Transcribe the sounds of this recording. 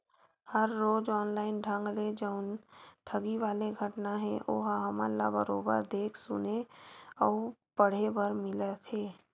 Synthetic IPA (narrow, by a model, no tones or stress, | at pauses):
həɾːoːd͡ʒɔːnlaːɪnɖʱə̃ŋɡled͡ʒəʊnʈʰəɡiʋaːleɡʱəʈnaɦɛ̃ʔoːɦaɦəmə̰la̰bəɾo̰ːbə̰ɾd̪eːkʰsʊneɔːpəɽ̤ebəɾmɪlət̪ʰeː